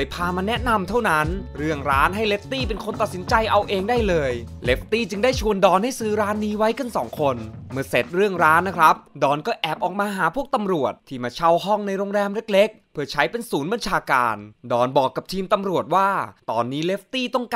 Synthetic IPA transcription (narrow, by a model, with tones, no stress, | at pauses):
jpʰaː˧maː˧nɛ˦˥ʔna˧mt̪ʰa˥˩wna˦˥nɾɯ˥˩əŋɾaː˦˥nɦa˥˩jle˦˥f̚t̪iː˥˩p̬e˧nkʰo˧nt̪a˨t̪̚si˩˦nt͡ɕa˧jʔa˧wʔeː˧ŋdaː˥˩jlɤː˧jle˦˥f̚t̪iː˥˩t͡ɕɯ˧ŋdaː˥˩jt͡ɕʰu˧əndɔː˧nha˥˩jsɯː˨˦˥ɾaː˦˥nːiː˦˥wa˦˥jkɯ˧nsɔː˩˦ŋkʰo˧nmɯ˥˩əse˨˩t̪̚ɾɯ˥˩əŋɾaː˦˥nːa˦˥kʰɾa˦˥p̚dɔː˧nkɔː˥˩ʔɛː˨˩p̚ʔɔː˨˩k̚maː˧ɦaː˩˦pʰu˥˩ək̚t̪a˧mɾu˨˩ət̪̚ʰːiː˥˩maː˧˩t͡ɕʰa˥˩whɔ˥˩ŋna˧jɾoː˧ŋɾɛː˧mle˦˥k̚le˦˥k̚pʰɯ˧˩ɐt͡ɕʰa˦˥jpe˧nsuː˩˦nba˧nt͡ɕʰaː˧ka̰ː˧ndɔː˧˩nbɔː˨˩kːa˨˩p̚t̪ʰiː˧mt̪a˧mɾu˨˩ət̪̚waː˥˩t̪ɔː˧nːiː˦˥le˦˥f̚t̪iː˥˩t̪ɔ˥˩ŋk